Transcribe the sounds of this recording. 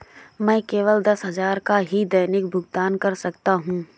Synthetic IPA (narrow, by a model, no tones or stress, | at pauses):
mɛ̃ːkeːʋəld̪ɐsɦɐzaːɾkaɦid̪ɐɪnɪkbʱʊɡt̪aːnkɐɾsɐkt̪aɦũː